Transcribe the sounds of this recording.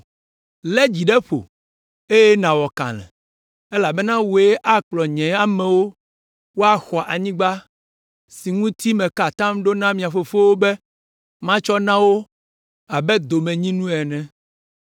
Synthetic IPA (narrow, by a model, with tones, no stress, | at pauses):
lɛ˦d͡ʑi˨ɖɛ˦ɸo̰˨ | e˦jɛ˦nã˨wɔ˨kã̰˨lɛ̰̃˨ | e˦la˨bɛ˦nã˦wo˨ɛ˦ʔa˦k͡plɔ˨ɲɛ̃˨a˨mɛ̃˨wo˦ | wo˦a˨xɔ˨ʔa˨ɲĩ˦ɡ͡ba˦ | si˨ŋũ˦t̪i˦mɛ̃˨ka˨t̪ã˦mɖo˦nã˦mĩ˨a˨fo˨fo˦wo˦bɛ˦ | mã˦t͡ʃɔ˦nã˦wo˦ | a˨bɛ˦d̪o˨mɛ̃˨ɲĩ˦nũ˦ɛ˨nɛ̃˨